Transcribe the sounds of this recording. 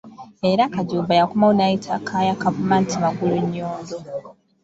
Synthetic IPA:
e̞ɾakaɟuːmbajakumawunajitʰakʰaːjakavumaːntʰimaɡuluɲːoːndo̞

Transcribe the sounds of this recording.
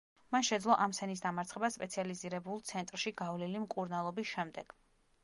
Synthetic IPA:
manʃɛd̪zlˠɔʔamsɛnis̬d̪amaɾt̪sʰχɛbaspʼɛt̪sʰializiɾɛbulˠt̪sʰɛnt̪ʼɾʃiɡavlilimkʼuɾnalˠɔbisʃɛmd̪ɛɡ̥

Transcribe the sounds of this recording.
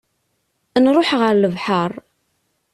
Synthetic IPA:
ənɾˤoħʁəɾləvħəɾˤ

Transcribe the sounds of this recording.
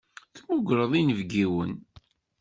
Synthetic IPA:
θmʊɡɾəðˤinəvɡiwən

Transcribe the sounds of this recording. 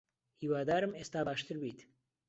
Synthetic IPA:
hiːwaːd̪aːɾɨmeːst̪aːbaːʃt̪ɨɾbiːt̪

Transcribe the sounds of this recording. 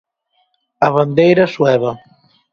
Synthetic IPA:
aβand̪ejɾɐswɛβa

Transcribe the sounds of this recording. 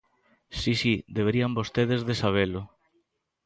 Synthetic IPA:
sisid̪eβeɾiambost̪eðezðesaβ̞elʊ

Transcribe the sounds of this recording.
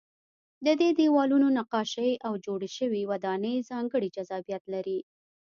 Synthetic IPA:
d̪əd̪ed̪ewɑlunonaqɑʃaʔawd͡ʒoɽeʃəwiwad̪ɑnəjzɑŋɡəɽid͡ʒazɑbijat̪laɾi

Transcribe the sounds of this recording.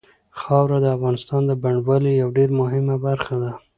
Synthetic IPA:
xɑwɾad̪əafɣɑnɪst̪ɑnd̪əbaɳɖwalejawɖeɾmʊɦɪmabaɾxad̪a

